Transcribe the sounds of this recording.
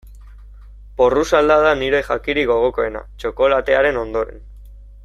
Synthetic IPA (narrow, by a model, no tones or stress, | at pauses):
po̞rusald̪aðaniɾe̞xakiɾiɣo̞ɣ̞o̞ko̞e̞na̰t͡ʃo̞ko̞lat̪e̞aɾe̞no̞nd̪o̞ɾe̞̰n